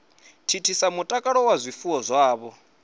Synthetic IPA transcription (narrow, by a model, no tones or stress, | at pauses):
tʰitʰisamutʼakʼaɺɔwazʷifuwɔzʷwaːβɔ